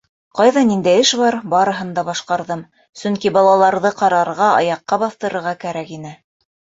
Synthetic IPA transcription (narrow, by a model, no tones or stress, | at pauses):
qɑjðɑnind̪æjɘʃbɑɾbɑɾɤ̆ɦɤ̆nd̪ɑbɑʃqɑɾðɤm | sɵŋkibɑlˠɑlˠɑɾðɤqɑɾɑɾʁɑɑ̰jɑqːɑbɑθt̪ɤ̆ɾɤ̆ɾʁɑkæɾækinɘ